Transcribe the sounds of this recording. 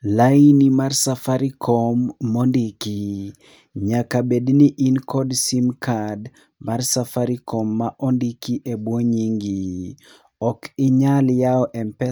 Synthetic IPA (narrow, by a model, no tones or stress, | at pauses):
lainimarsafaɾikʰɔmːɔndiki | ɲakabedniʔinkɔdsimkʰad | marsafaɾikɔmːaʔɔndikiʔebwoɲiŋɡi | ɔkɪɲaljaɔʔɛmpɛ